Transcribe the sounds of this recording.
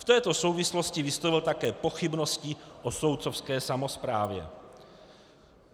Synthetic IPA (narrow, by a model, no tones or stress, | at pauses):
ft̪ɛːt̪o̞so̞wvɪslo̞scɪvɪst̪ovɪlt̪akɛːpo̞xɪbno̞scɪʔoso̞wt̪sofskɛːsamo̞spɾaːvjɛ̰